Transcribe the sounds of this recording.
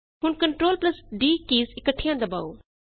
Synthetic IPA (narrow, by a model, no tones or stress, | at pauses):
ɦʊnkəɳʈɾoːlplɐsɖiːkiːsɪkəʈʰːɪjãd̪ɐba̰ːoː